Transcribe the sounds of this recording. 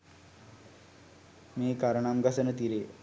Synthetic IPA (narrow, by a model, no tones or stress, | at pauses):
meːkaɾəɳamɡasənət̪iɾe